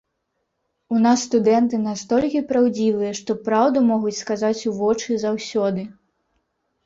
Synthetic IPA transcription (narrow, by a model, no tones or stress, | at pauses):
unasːt̪ud̪ɛnt̪ɨnast̪ɔlʲkʲipɾawd͡zʲivɨjɐʂt̪ɔpɾawd̪umɔɣut͡sʲskazat͡sʲuvɔt͡ʂɨzawsʲɔd̪ɨ